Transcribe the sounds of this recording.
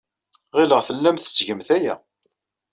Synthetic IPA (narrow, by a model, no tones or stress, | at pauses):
ʁiləʁθəlːæmθə̥t͡sːʝəmθæjæ